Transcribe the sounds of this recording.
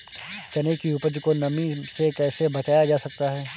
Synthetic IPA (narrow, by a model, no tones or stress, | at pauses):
t͡ʃɐnekiuːpəɾd͡ʒkonɐmĩsekɛːsebɐt͡ʃaːjad͡ʒaːsɐk̚t̪aɦɛː